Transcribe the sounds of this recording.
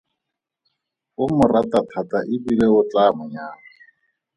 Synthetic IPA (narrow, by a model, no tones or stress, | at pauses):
ʊmʊratatʰataʔɪbileʊt͡ɬamʊɲaːŋa